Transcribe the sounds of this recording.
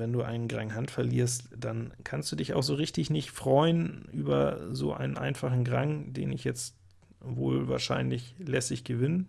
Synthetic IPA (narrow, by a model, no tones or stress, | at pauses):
vɛnduːʔa̰ɪnənɡʁaŋɦantfɛɐliːɐstd̥ankʰanstd̥uːdɪça̰ʊxz̥oːʁɪçtɪçnɪçtfʁ̥ɔʏənʔyːbɐzo̰ːʔa̰ɪnənʔa̰ɪnfaχn̩ɡʁaŋdḛːnɪçjɛt͡st | vo̰ːlva̰ːɐʃaɪnlɪçlɛsɪçɡ̥əvɪnən